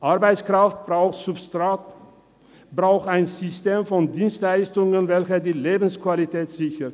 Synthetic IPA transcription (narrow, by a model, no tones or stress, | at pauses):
ʔaɐbaɪt͡skʁ̥aftb̥ʁaʊxtz̥ʊpstʁa | bʁaʊxtaɪnzʏsteːmfɔndiːnstlaɪstʊŋənvɛlçɐdiːleːbn̩skv̥alitʰɛːtz̥ɪçət